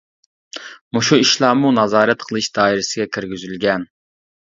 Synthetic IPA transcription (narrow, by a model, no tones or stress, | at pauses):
muʃuiʃlˠɑːmunɑzɑːɾɛt̪qʰəlˠɨʃd̪ɑːiɾɪsɪɡʲɛkʲʰɪɾɡʲyzylɡʲɛn